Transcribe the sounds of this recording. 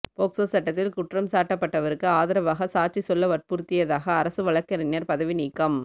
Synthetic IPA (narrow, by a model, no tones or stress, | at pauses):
poːksoːsɐʈːɐt̪ːɪlkʊʈrɐmsaːʈːɐpːɐʈːɐʋɐɾɯkːɯaːðɐɾɐʋaːɣɐsaːʈ̚t͡ʃisɔlːɐʋɐr̚puːɾt̪ɪjɐðaːɣɐːɾɐsɯʋɐɭɐkːɐɾɐnɪjɐɾpɐðɐʋɪniːkːɐm